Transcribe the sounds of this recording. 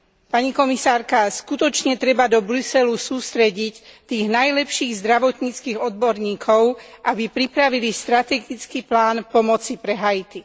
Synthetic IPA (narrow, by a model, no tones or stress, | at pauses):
paɲikɔmisaːɾkaskut̪ɔt͡ʃɲɛt̪ɾɛbad̪ɔbɾusɛlusuːst̪ɾɛɟict̪iːɣnajlɛpʃiːɣzd̪ɾaʋɔt̪ɲit͡skiːɣɔd̪̚bɔɾɲiːkʰɔʊʔabipɾipɾaʋilist̪ɾat̪ɛɡit͡skiːplaːnpɔmɔt͡sipɾɛɦajit̪i